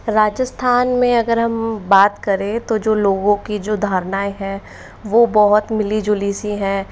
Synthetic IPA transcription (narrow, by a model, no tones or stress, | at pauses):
ɾaːd͡ʒəst̪ʰaːnmẽɐɡəɾɦɐmbaːt̪kɐɾẽt̪od͡ʒoːloːɡõkid͡ʒoːd̪ʱaːɾnaːeɦɛ̃ | ʋoːbɔɦʊt̪mɪlid͡ʒʊliːsiɦɛ̃ː